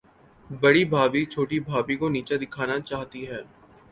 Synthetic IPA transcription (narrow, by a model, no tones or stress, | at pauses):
bɐɽibʱaːbit͡ʃʰoːʈibʱaːbikoniːt͡ʃad̪ɪkʰaːnat͡ʃaːɦt̪iɦɛː